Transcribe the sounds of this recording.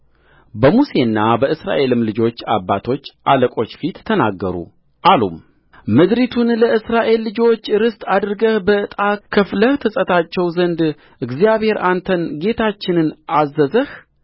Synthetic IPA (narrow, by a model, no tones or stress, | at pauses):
bəmuse̞ɨnːabəɨsɾa̰ʔe̞lɨmlɨd͡ʒo̞t͡ʃːa̰bːat̪ʰo̞t͡ʃːʔaləkʼo̞t͡ʃːfit̪ʰːəna̰ɡːə̰ɾṵ | ʔalṵm | mɨd̪ɾit̪ʰunləɨsɾaʔe̞lːɨd͡ʒo̞t͡ʃːɾɨst̪ʼad̪ɾɨɡəhbəɨt̪ʼakʰəfləht̪ʰəsʼət̪ʰat͡ʃːɛwzənd̪ | ʔɨɡzijaβhe̞ɾʔant̪ʰənɡe̞t̪ʰat͡ʃːɪnɨnʔazːəzəh